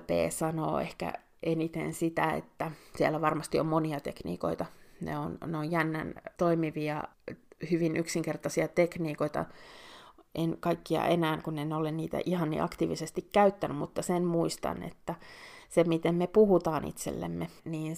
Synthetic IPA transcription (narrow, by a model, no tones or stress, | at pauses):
pḛːsɑno̰ːḛhkæ̰ | ʔenit̪ḛnsit̪æḛt̪ːæsiælːæʋɑrmɑst̪iommoniɑt̪eknḭːko̰it̪ɑnḛonneojjænːæ̰nt̪oimiʋiɑhyʋinʔyksiŋkert̪ɑsiɑt̪ekniːkoit̪ɑ̰ | ʔenkɑikːiɑ̰ʔenæːŋkunenolenniːt̪æ̰ʔihɑnːḭʔɑkt̪iːʋisest̪ikkæyt̪ːænymut̪ːɑsenmuist̪ɑ̰nḛt̪ːæsemit̪emmepuhut̪ɑːnḭt̪sḛlːḛmːeniːn